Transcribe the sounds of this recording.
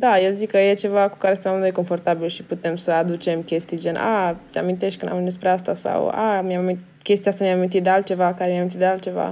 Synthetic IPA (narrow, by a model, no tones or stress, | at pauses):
d̪ajezikːəje̞t͡ʃe̞vaku̥kaɾest̪enamnujeko̞nfo̞rt̪abilʃiput̪e̞msəad̪ut͡ʃe̞mkʲe̞st̪id͡ʒena̰t̪sʲa̰mĩnt̪e̞ʃt̪̚ʲkɨnd̪amɨnespɾeast̪asa̰wa̰mjai | kʲe̞st̪ijast̪amijamamint̪it̪̚d̪ealt̪̚t͡ʃe̞vakaɾemiamint̪it̪d̪ealt̪t͡ʃe̞va̰